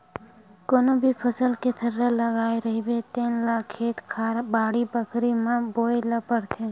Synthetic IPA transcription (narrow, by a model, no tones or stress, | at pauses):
koːnobʱipʰəsəlket̪ʰəɾːaləɡaːeɾəɦibet̪iːnlaːkʰːeːt̪kʰaːɾbaːɽibəkʰɾimãboːjlɐpəɾt̪ʰe